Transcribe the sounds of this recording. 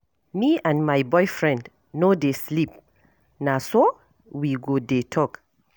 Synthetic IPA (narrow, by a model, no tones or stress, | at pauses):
miãnmajbɔjfɹɛ̃nd | nodeslip̚ | naso | wiɡodetʰɔk